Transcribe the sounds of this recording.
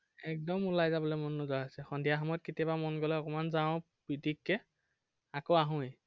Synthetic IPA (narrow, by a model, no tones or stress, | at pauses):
ɛk̚dɔmulajzabɔlomɔnːuzɔaɦasɛxɔndijaxɔmɔt̚kitijabamɔnɡɔlɔɔkɔmanzaʊ̃ | b̥ɹidikːɛ | akoaɦʊ̃i